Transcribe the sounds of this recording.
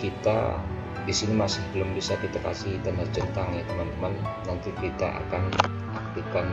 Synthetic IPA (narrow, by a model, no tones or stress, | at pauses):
kit̪a̰ | disinimasɪhbəlʊmbisakit̪aka̰sihit̪anərd͡ʒənt̪aŋjat̪əmant̪əmanː | ant̪ikit̪a̰ʔa̰kan | ak̚t̪ikan